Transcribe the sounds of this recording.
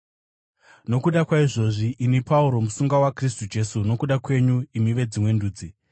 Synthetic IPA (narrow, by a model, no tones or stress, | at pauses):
no̞kuɗakwaiʐo̞ʐiʔinepauɾo̞musuŋɡawakristud͡ʒe̞suno̞kuɗakwe̞ɲuimiʋe̞d͡zimwe̞nduːd͡zi